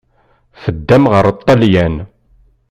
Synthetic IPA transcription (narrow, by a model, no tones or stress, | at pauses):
fəd̪ːæmʁəɾət̪ˤːɑljæn